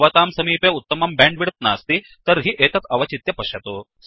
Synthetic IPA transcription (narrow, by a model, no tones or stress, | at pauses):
ʋɐt̪aːmsɐmiːpeːut̪ːɐmɐmbaːɳɖʋiɽɐt̪̚na̰ːst̪i | t̪ɐɾɦiʔeːt̪ɐt̪ɐʋɐt͡ʃit̪jɐpɐʃɐt̪u | s